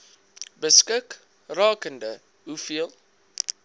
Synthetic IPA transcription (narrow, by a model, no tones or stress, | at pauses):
bəskək | rɑːkəndə | ɦufiəlˠ